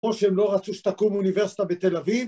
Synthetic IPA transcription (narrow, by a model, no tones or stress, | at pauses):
oʃeemlo̞ʁat͡suʃt̪akumuniveʁsi̥t̪abet̪elaviv